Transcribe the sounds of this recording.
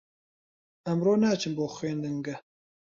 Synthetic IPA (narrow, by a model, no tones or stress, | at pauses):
ɐmroːnæːt͡ʃʰɨnmboːxʷweːnd̪ɨŋɡɐ